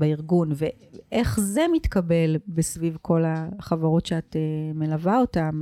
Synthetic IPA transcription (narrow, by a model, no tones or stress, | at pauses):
beiʁɡunve | ʔeχze̞mitkabe̞lbesvivkʰo̞laχavaʁo̞tʃeateme̞lavaotam